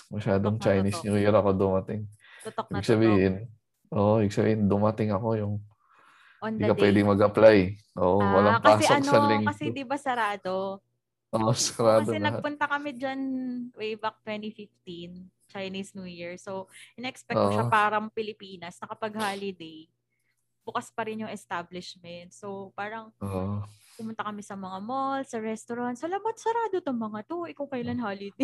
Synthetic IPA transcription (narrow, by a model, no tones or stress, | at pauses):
mɐʃaːd̪oŋt͡ʃajnisnjuːjiɾɐko̞d̪ʊmɐt̪ɪŋ | t̪ooiːbɪɡsɐbiːhɪn | ʔoːʔoʔibɪɡ̚sɐbḭːhɪnd̪ʊmɐt̪ɪŋɐko̞jʊŋ | nd̪ikɐpwɛːd̪ɪŋmɐɡʔɐplajʔoːʔowɐlaŋpaːsɛsɐɐɡnosɐlɪŋkɐsɛd̪ɪbɐsɐɾaːd̪o | ʔoʔosɐɾaːɐd̪oɛlɐh̚tpʊnt̪ɐkɐmɪd͡ʒɐnwejbɐk̚t̪wɛnt̪ifɪft̪in | t͡ʃɐjnisnjuːjiɹsowʔɪnɛʔɛkspɛʔʃapaːɾɐŋpɪlɪpiːnɐsnɐkɐpɐɡ̚halɪd̪ej | bʊkaspɐɾɪnjʊŋɛst̪ablɪʃmɛnt̪̚sowpaːɾɐŋopʊmʊnt̪ɐkɐmɪsɐmɐŋamolsɐɹɛst̪oɾant̪sɐlɐbat̪sɐɾaːd̪ot̪omɐŋat̪oʔɛkʊŋkɐjlanhoːlɪd̪e